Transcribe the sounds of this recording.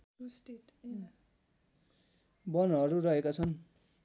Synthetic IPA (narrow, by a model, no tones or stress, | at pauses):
bʌnʌɾurʌɦekat͡sʰʌn